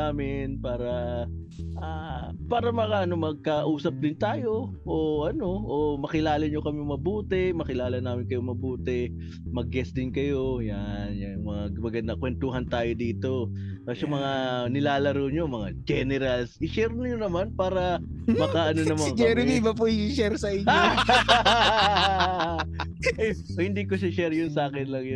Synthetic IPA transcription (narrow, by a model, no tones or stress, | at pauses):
aːmɪnpaːɾɐ | ʔapaːɾɐmɐkaʔɐno̞mɐɡ̚kɐʔuːsɐp̚d̪ɪnt̪aːjo̞ʔoʔɐno̞ʔomɐkɪlaːlɐɲokɐmɪmɐbuːt̪ɛmɐkɪlaːlɐnaːmɪnkɐjoŋmɐbuːt̪ɛ | mɐɡ̚ːɛsd̪ɪnkɐjo̞janjɐjʊŋmɐŋaɡmɐɡɐnd̪ɐkwɛnt̪uːɦɐnt̪aːjod̪iːt̪o̞ɐsʊmɐŋanɪlaːlɐɾoɲo̞mɐŋad͡ʒɛnɛɾɐlsɪʃɛɾnɐɲonɐmanpaːɾɐ | mɐkaʔɐnonɐmɐŋkɡɛɾɪɪbɐp̬oiiʃɛɾsɐʔiɲao | ɐj | hɪnd̪iːkoʃaʃɛɾjʊnsaːkɪnlɐŋjʊ